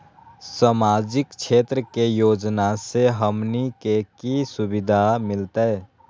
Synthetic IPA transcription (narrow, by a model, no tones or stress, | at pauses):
samaːd͡ʒɪkt͡ʃʰeːt̪ɾəkejoːd͡ʒnaseɦəmnikekisʊbɪd̪ʱamɪlt̪eɛ